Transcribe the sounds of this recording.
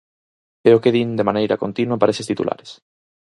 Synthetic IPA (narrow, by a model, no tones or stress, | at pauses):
peɾokeðind̪emanejɾa̰kont̪inwapaɾesest̪it̪ṵlʔa̰ɾes